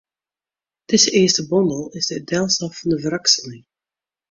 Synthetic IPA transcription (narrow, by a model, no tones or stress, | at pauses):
d̥ɪzəɪːstəbɔndəlˠɪzdədɛlˠsɑfɑndəvəɾɑksəlɪŋ